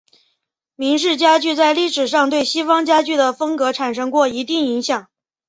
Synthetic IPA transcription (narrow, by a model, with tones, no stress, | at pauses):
mi˧˥ŋʂ̬ɻ̩˥˩t͡ɕja˥t͡ɕy˥˧t͡sa˥˧ɪli˥˩ʂɻ̩˨˩ʂɑ˥˧ŋt̪we˥˩ɪɕi˥fɑ˥ŋt͡ɕja˥t͡ɕy˥˩d̪ə˩fɤ˥ŋkɤ˧˥ʈ͡ʂʰa˨˩nʂɤ˥ŋkwɔ˥˩i˧˥t̪i˥˩ŋi˧˥ŋɕjɑ˨˩˦ŋ